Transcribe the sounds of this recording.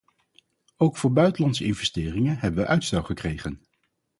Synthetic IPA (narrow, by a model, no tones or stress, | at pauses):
owkfʊːɹbœɥtəlɑntsəɪnvɛstɪːrɪŋənɦɛbəʋəʔœɥtstɛlˠχəkrejχən